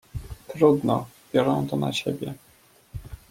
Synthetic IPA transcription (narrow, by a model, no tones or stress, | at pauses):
t̪ɾud̪nɔbʲjɔɾɔ̃w̃t̪ɔna̰t͡ɕebʲjɛ